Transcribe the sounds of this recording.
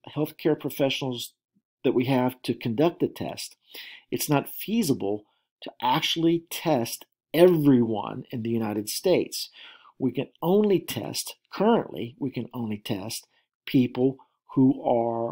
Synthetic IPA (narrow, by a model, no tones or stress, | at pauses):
hɛlˠθkʰɛɹpʰɹ̥ɨfɛʃnl̩ˠz | ðɨʔ̚wiɨv̥tʰɨkʰɨ̃ndʌk̚t̪̚ɨtʰɛ̰st | ɨtsnətfizəbl̩ˠ | tʰɨʔæk̚t͡ʃul̩ˠitʰɛst | ɛvɹiwʌ̰̃nɨ̃nðɨjʉnaɪɾɨd̥steɪts | wikɨ̃nõʊ̃nlitʰɛ̰stkʰɜ˞ɨ̃nʔlḭwikɨ̃nõʊ̃nlitʰɛst̚ | pʰipl̩ˠ | huə˞